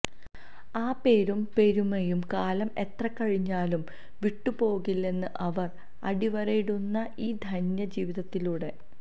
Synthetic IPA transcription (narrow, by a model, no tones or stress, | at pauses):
aːpe̞ːɾumpe̞ɾumɐjumkaːlɐme̞t̪rɐkːɐɻiɲːaːlum | ʋiʈːupo̞ːɣilːe̞nːɨʔɐʋɐr | ɐɽiʋɐɾejɽunːɐʔiːd̪ʱɐnjɐd͡ʑiːʋiðɐt̪ːiluːɽe̞